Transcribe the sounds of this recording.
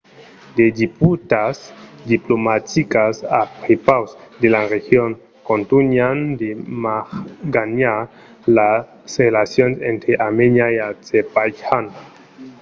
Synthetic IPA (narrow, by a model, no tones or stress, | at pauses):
d̪ed̪iput̪asd̪iplomatikasapɾepawsd̪elaɾexjon | kont̪unjand̪emaxɡana | la | sʁelasjonsent̪ɾeʔamenjajazepajhan